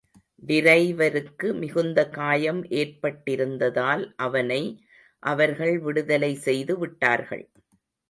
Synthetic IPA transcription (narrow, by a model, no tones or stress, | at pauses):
ʋ̪ɪɾɐɪʋɐɾɯkːɯmɪɣɯnd̪ɐkaːjɐmʔeːrpɐʈːɪɾɯnd̪ɐðaːlʔɐʋɐnɐɪ | ʔɐʋɐɾɣɐɭʋɪɽɯðɐlɐɪsɛjðɯʋɪʈːa̰ːɾɣɐ̰ɭ